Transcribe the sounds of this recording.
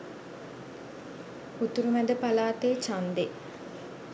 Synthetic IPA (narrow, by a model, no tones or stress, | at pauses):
ut̪uɾumæd̪əpalaːt̪eːt͡ʃand̪e